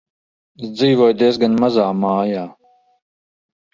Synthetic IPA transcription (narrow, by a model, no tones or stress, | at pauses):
zd̪ziːvɔɔjd̪iɛzɡanmazaːmaːjaː